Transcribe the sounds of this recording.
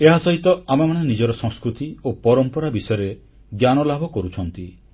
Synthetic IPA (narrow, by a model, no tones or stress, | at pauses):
eɦasɔɦit̪ɔamamaɽ̃enid͡ʒɔɾɔsɔ̃ŋskɾut̪iopɔɾɔmpɔɾabisɔjɔɾe | ɡjanɔlabʱɔkɔɾut͡ʃʰɔnt̪i